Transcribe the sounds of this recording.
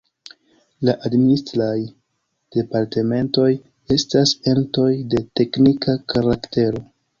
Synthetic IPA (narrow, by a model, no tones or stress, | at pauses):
laʔadministɾaj | d̥e̞paɾte̞me̞nto̞j | e̞stase̞mto̞jde̞te̞knikakaɾakte̞ɾo̞